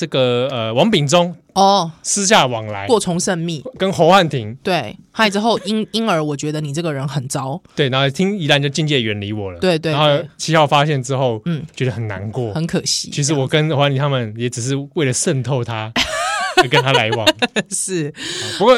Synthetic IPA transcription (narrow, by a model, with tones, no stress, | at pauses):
ʈ͡ʂə˥˩ɡə˩ə˨wɑ˧˥ŋpi˨˩ŋʈ͡ʂʊ˦˥ŋ | ɔ˥˨˩sɹ̩˦ɕ̬ja˥˨wɑ˨˩ŋla̰˨˦ɪkwɔ˥˩t͡sʰʊ˧˥ŋʂə˥˧nmi˥˩kə˦nxo˧˥ʊxa˥˩nt̪ʰi˧˥ŋt̪we˥˩ɪxa˥˩ɪt͡s̩˥xo˥˨ʊi˦ni˥nə˞˧˥wɔ˨˩t͡ɕɥɛ˧˦˥d̪ə˧ni˨˩ʈ͡ʂɤ˥˩ɡə˩ɻə˧˦nxə˨˩nt͡sɑ˦ʊwe˥˩ɪna˧˦˥t̪ʰi˦˥ŋi˧˥la˧˦nt͡ɕo˥˧ʊt͡ɕi˥˧ŋt͡ɕjɛ˥˧ɥɛ˧˥nli˧˥wɔ˨˩lə˦we˥˧ɪt̪we˥˧˨o˥˧˩t͡ɕʰi˥˧hɑ˥˩ʊfa˦ɕ̬jɛ˥˨nʈ͡ʂɻ̩˦xo˥˩ʊn̩˥˩t͡ɕɛ˧˥d̪ə˧˩xə˨˩nːa̰˧˦nkwɔ˥˨hə˧˦nkʰə˨˩ɕḭ˧˦˥t͡ɕʰi˧˥ʂ̬̩˧˦wɔ˨˩kə˦no˧˦wa˥˨t̪i˨˧˩a˥mə˨njɛ˨˧˥ʈ͡ʂ̩˨˩ʂ̬ɻ̩˥˧we˥˩ɪlə˩ʂə˥˧nt̪ʰo˥˧ʊt̪ʰa˦˧˦ | kə˦nt̪ʰa˦˥la˨˧˦ɪwɑ̰˨˩ʂɻ̩˥˩˥pu˧˦kwɔ˥˩